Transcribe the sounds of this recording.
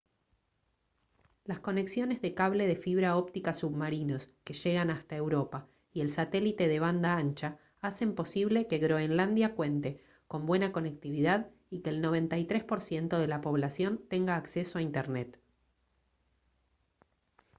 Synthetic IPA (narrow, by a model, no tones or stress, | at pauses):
lasko̞ne̞ksjo̞nezðe̞kaβle̞ðe̞fiβ̞ɾao̞pt̪ikasuβmaɾino̞ske̞ʃe̞ɣanast̪ae̞wɾo̞pa | ie̞lsat̪e̞lit̪e̞ðe̞β̞and̪aant͡ʃa | ase̞mpo̞siβle̞keɣɾo̞enland̪jakwe̞nt̪e̞ | ko̞mbwe̞nako̞nek̚t̪iβiðað | ikeːlno̞β̞e̞nt̪ajt̪ɾespo̞ɾsje̞nt̪o̞ðe̞lapo̞β̞lasjo̞nt̪e̞ŋɡaːksesoaint̪eɾnet̪